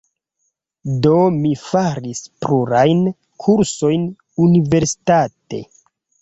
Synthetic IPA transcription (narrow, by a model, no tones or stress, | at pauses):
do̞mifaɾispɾuɾajn | kʰuɾso̞jn | unive̞ɾsi̥tate̞̰